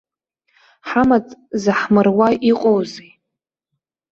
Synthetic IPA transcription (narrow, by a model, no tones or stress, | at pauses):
ħamat͡sʼzɨħmɨrwaiqʼowze